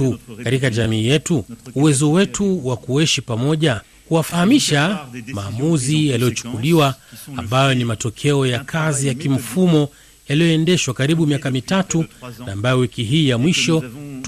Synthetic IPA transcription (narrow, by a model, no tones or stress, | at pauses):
ukaɾikaʄamiːjɛtuuwɛzɔwɛtuwakuɛʃipamɔʄa | kuwafahamiʃamaːmuzijalijɔt͡ʃu̥kuliwaːmbajɔnimatɔkʰɛɔjakʰazijakim̩fumɔ | jalijɔɛndɛʃwakaɾiɓumiakamitatunaːmbajɔwikiɦiːjamwiʃɔt